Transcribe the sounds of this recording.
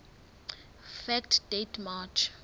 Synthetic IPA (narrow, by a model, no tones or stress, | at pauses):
fɛktdetmat͡ʃ